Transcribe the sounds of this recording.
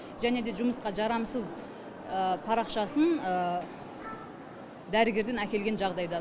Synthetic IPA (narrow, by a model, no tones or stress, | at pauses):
ʒæne̞d̪e̞ʒʊməsqɑʒɑɾɑmsəz | əpʰɑɾɑqʃɑsənə | d̪æɾɪɡʲe̞ɾd̪e̞nækʲe̞lɡʲenʒɑʁd̪ɑjd̪ɑ